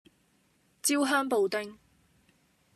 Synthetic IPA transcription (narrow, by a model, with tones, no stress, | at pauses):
t͡siː˥wɦœː˥ŋpo˨wt̪ɪ˥ŋ